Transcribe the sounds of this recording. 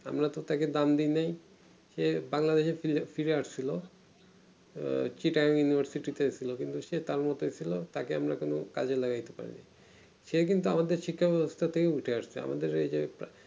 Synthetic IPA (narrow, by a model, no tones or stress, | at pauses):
a̰mɾat̪ot̪aked̪amd̪inaj | ʃebaŋlad̪eʃefifiɾeaʃt͡ɕʰilo | t͡ɕiʈaomjunibʱaɾsiʈit̪esʰilokint̪uʃet̪aɾmɔt̪oet͡ʃʰilot̪akeamɾakono̰kad͡ʑʰelaɡajt̪epa̰ɾḭnḭ | ʃek̬int̪̬uamad̪eɾʃikʰːabɛbost̪ʰat̪ʰekeuʈʰeaʃsʰḛa̰mʔa̰d̪eɾed͡ʑep